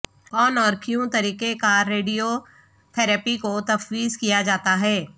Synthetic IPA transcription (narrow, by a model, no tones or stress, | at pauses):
kɔːnɔːɾkjũt̪ɐɾiːkekaɾeːɖijo | t̪ʰɛːɾɛːpikot̪ɐfwiːzkijad͡ʒaːt̪aɦɛː